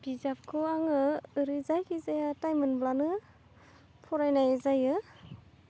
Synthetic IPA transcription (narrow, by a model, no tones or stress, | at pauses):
b̥izap̚kʰɔaŋɯɯɾɯzajkʰizajatajmɯnblanɯ | pʰɔɾajnajɯzajɯ